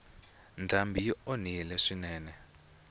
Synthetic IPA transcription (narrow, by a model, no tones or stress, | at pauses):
ndʱambʱijioniɛlɛʂinɛːnɛ